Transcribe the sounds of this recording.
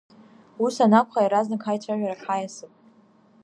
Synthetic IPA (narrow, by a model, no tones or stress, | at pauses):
usanakʷʰʼχajɾaznakχajt͡ʃʷʰaʒʷᶣaɾaħajasɨpʼ